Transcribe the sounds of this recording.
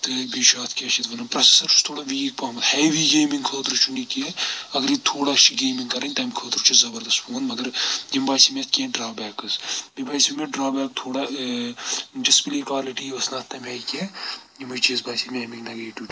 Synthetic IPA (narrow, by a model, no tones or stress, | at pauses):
t̪ɨbiʃaːt̪ʰkʲet͡ʃʰit̪ʋɐnɐnpɾɐse̥sɐɾu̥st̪ʰoːɽaʋiːk̚paːmɐt̪heːʋiɡeːmiŋɡkʰəːt̪ɾut͡ʃʰuɳɖikiɐɡɐɾit̪ʰoːɽaːt͡ʃʰiɡeːmiŋɡkɐɾɐnʲt̪ɐmkʰəːt̪ɾut͡ʃʰizɐbɐɾd̪ɐst̪poːnmɐɡɐɾjimbaːjsimʲet̪ʰʲkʲeːɖɾaːbɛːkɨsbibaːjsiimʲeɖɾaːbɛːkt̪ʰoːɽa | d͡ʒɐspiliːkwaːliʈijʋɐsnaːt̪ʰːɐmʲɐjkejimɨt͡ʃiːsbaːsimʲeːmiŋnɐɡeːʈu